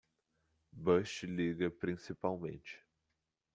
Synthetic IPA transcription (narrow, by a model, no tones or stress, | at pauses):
bɐʃt͡ʃɪliɡɐpɾĩsipawmḛ̃nt͡ʃɪ̥